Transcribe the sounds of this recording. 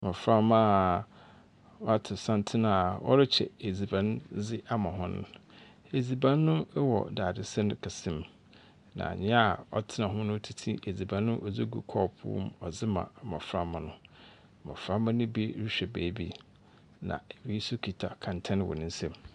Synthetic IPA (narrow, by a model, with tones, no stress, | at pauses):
mã˨fɾa˦ma˦ | a˦tʰɪ˨sã˦n˦tʰɪ˦nã˨wɔ̰˦ɾɪ˦t͡ɕʰɛ̰˨e˨d͡zi˨bã˨nzɪ˦ʔa˦mã˨ɦɔ̃˦nʊ̰̃˦ | e˨d͡zi˨bã˦nː˦ʊ̃˦wɔ̰˨daː˨dɪ˨sɛ˦nʊ̃˦kʰa˨sɪ̃˦m | nã̰˨ɲɪ̃˦a˨ɔ̰˦tʰɪ˦nã˨ɦʊ̃˦nʊ̃˦tʰi˦tʰḭ̃˦ʔe˨d͡zi˨bã˨nː˦ʊ̃˦ʔɔ˨d͡zi˦ɡṵ˨kʰɔː˦˨pʰʊ̰˦mɔ˨zɪ˦mã̰˨mã˨fɾa˦mã˨nʊ̃˦˨ | mã̰˨fɾã˦mã˦nʊ̃˦bi˦ɾi˦ɕᶣɛ˨bḛː˨˦bi˦ | nã̰˨wi˨˦sʊ˦kʰi˨tʰa˨kʰã˨ntʰɛ̃˦n˨wɔ̰˨nʊ̃˦n̩˦sɛ̃˦m